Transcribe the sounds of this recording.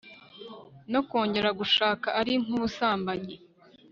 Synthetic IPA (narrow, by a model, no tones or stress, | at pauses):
no̞ko̞ːɲɟe̞ɾaɡuʃaːkaʔaɾiŋ̥uβusaːmbaɲe